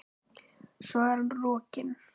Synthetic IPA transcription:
svaɾnrɔːcɪn

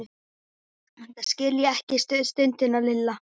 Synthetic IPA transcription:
ɛnt̪ascɪljaɛhcɪst̪ʏst̪ʏnt̪ɪnalɪlːa

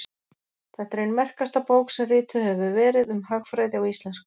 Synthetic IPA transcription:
θɛht̪ɾejnmɛr̥kast̪apoːwksɛrɪːt̪ʰʏhɛvʏvɛːɾɪðʏmhaɣfɾajðɪawist̪lɛnsk

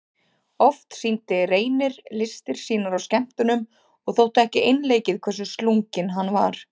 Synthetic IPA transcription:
ɔft̪sint̪ɪreːjnɪɾlɪst̪ɪɾ̥siːnaɾawscɛm̥t̪ʏnʏm | ɔɣθowt̪ʏɛhcɪejnleːjcɪðkʰvɛrsʏst̪luŋcɪnɦanːva̰ɾ̥

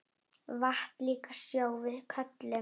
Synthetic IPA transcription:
vaht̪liːkḁsjoːwvɪðkʰœt̪lɪ

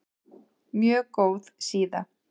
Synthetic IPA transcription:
mjœːkowðsiːða

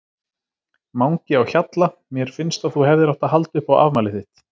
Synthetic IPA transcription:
mawŋcɪawçat̪lamjɛɾ̥fɪnst̪aθuhɛvðɪɾaht̪aɦalt̪ʏhpawʔa̰vmaːlɪθɪht̪

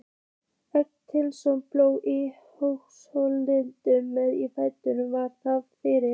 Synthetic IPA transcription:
ɛk̚t̪ʰɪlsɔmploːwʔi | hoxshowlːɪnt̪ʏmɛðifaːjt̪ʏnʏmvaɾ̥θavfɪɾɪ

